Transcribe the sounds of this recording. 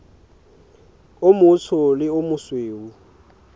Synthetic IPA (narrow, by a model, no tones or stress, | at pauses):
ʊmʊt͡sʰʊlɪʊmʊsweːu